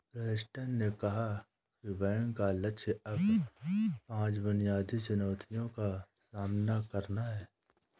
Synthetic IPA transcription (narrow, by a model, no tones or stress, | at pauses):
pɾeːɪsʈənːekɐɦa | kibɛːŋkaləkʃʰeɐb | pãːt͡ʃbʊnijaːd̪it͡ʃʊnɔːt̪ʰijõkasaːmnakɐɾnaɦɛː